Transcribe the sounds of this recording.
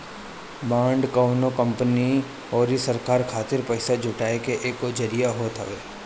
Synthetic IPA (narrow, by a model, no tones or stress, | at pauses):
bãːɳɖkəːnokə̃mpəni | ɔːɾisɐɾkaːɾkʰaːt̪ɪɾpɛɪsad͡ʒʱʊʈaːekeʔeːkod͡ʒɐɾijaɦoːt̪ɦɐ̰ʋeː